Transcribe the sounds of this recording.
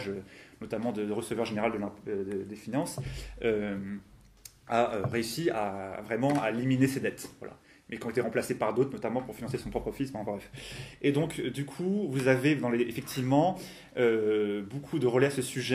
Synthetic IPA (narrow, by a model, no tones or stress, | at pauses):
ʒønɔt̪amɑ̃d̪əd̪əʁəsəvwœʁʒeneʁald̪əlɛ̃d̪əd̪efinɑ̃sø | aøʁeysiavʁɛmɑ̃aeliminesed̪ɛt̪vwa̰lʔa̰ | mɛkʲiɔ̃et̪eʁɑ̃plasepaʁd̪ot̪χnɔt̪amɑ̃puʁfinɑ̃sesɔ̃pχɔpχəfispãpabɛfed̪ɔ̃kd̪ykʰuvuzaved̪ɑ̃leefɛk̚t̪ʰivmɑ̃ | øbokʰud̪əʁəlɛasəsyʒɛ